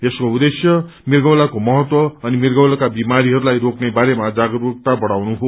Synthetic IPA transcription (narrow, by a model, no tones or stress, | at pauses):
eskoud̪esjʌmirɡʌwlakomʌɦʌt̪wʌːnimirɡʌwlakabimaɾiɦʌɾulajroknebaɾemad͡zaɡʌɾuk̚t̪abʌɽawnuɦo